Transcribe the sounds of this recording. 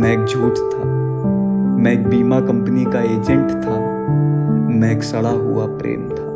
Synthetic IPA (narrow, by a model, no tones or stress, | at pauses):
mɛ̃eːk̚d͡ʒʱoːʈt̪ʰa | mɛ̃eːk̚biːmakɐ̃mpnikaeːd͡ʒɛ̃ɳʈt̪ʰa | mɛ̃eːksɐɽaɦʊapɾḛːmt̪ʰaː